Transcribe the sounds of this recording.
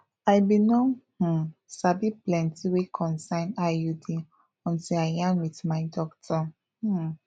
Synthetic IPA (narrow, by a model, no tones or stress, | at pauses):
ajbinɔ̃hũsabiplɛ̃ntiwekʰɔ̃nsãɪ̃najudi | ɔ̃ntilaɪjãnwitmaɪdɔktɔ | h̩